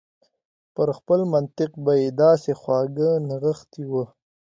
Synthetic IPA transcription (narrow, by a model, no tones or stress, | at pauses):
pəɾxpəlmant̪ɪqbajed̪ɑːsexwɑːɡənɪɣəxt̪iwə